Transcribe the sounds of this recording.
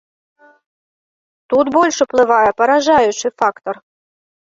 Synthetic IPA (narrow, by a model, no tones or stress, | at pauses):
t̪ut̪bolʲʂʊplˠɨvɑjɛpɐɾɐʐajʊʃɨfakt̪or